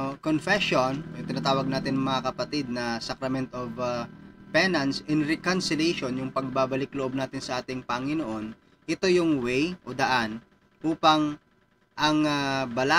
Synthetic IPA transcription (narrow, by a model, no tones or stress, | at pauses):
konfɛʃonjʊŋt̪ɪnaːt̪aːwɐɡ̚naːt̪ɪnɐŋmɐŋakɐpɐt̪ɪd̪̚nɐsakɾɐmɛnt̪ov | pɛnɐnsɪnɾɛkɐnsɪlɛjʃonjʊŋpɐɡ̚baːbɐlɪkloʔo̞b̚naːt̪ɪnsɐʔaːt̪ɪŋpɐŋɪnoʔo̞n | ʔɪt̪o̞jʊŋwɛjʔod̪ɐʔan | ʔuːpɐŋ | ʔɐŋabɐla